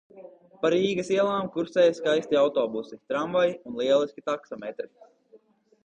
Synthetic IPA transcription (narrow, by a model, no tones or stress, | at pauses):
paɾiːɡɐsiɛlˠaːmkuɾsɛːjskajsʲt̪iawt̪ɔːbusit̪ɾamvajunlˠiɛlˠiskʲit̪aksɔmɛt̪ɾi